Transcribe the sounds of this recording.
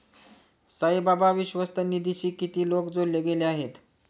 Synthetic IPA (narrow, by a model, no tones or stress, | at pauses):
səjbabaʋiɕʋəst̪ənid̪iɕiːkːit̪iːlokd͡zollːeɡeleaɦet̪